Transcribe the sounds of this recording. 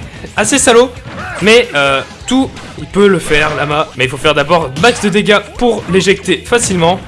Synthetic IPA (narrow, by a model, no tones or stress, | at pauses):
asesalomɛø | t̪u | ilpøləfɛʁlamamɛilfofɛʁd̪abɔʁmakd̪əd̪eɡʲapuʁleʒɛk̚t̪efasilmɑ̃